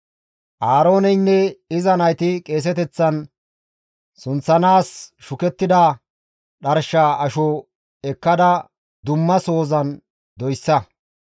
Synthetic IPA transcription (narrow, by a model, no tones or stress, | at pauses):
ʔaːɾo̞ːnɛjnːɛɪzɐnɐjt̪ɪkʼe̞ːs̬ɛt̪ɛt͡sːɐn | sʊnt͡sːɐnaːsʃʊkɛt̪ːɪd̪ɐ | ɗɐɾʃaːʔɐʃɔ | ɛkːɐd̪ɐ | d̪ʊmːɐso̞ːzɐn | d̪ɔjsːɐ